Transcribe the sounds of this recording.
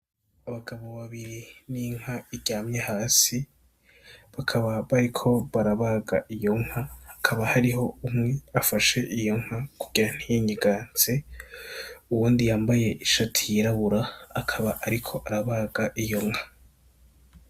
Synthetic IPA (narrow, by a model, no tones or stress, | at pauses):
aβaɡaβo̞βaβiɾiniŋ̥haiɟaːmɲehaːsi | βakʰaβaβaɾikʰo̞βaɾaβaːɡaʔijo̞ŋ̥hahːkʰaβahaɾiɦo̞umŋe̞afaʃe̞ʔijo̞ŋ̥hakuɡ̥iɾan̥hijiɲiɡaːnt͡se | uwuːndijaːmbaje̞ʔiʃatʰijiɾaβuɾaːkʰaβaʔaɾikʰo̞ʔaɾaβaːɡaʔijo̞ŋha